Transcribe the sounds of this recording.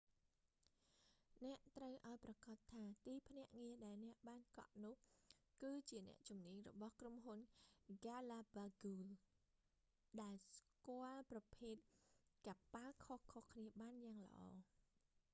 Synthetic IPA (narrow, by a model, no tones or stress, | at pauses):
nɛ̆əʔt̪rəwʔaɔjprɑkɑːt̪ʰːaːt̪iːpʰnɛ̆əʔŋiəɗaɛlnɛ̆əʔɓaːnkɑ̰ʔnʊ̆əhkɨːt͡ɕiənɛ̰̆əʔt͡ɕumniəɲrɔ̰ɓɑhkromɦunɡalaːbaɡuːl | ɗaɛlskŏəlprɑpʰeːt̪̚kapalkʰohkʰohkʰniəɓaːnjaːŋlə̆ʔɑ̰ː